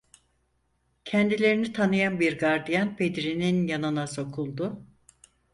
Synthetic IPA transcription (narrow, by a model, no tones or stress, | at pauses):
cʰɛnd̪ilʲe̞ɾinit̪ʰanɯjanbiɾɡaɾd̪ijanpʰe̞d̪ɾininjanɯnaso̞kʰulˠd̪ʊ